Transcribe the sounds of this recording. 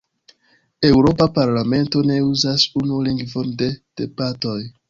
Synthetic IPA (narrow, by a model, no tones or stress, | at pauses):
e̞wɾo̞papaɾlame̞nto̞ne̞uzasunuliŋɡvonde̞d̥e̞bato̞j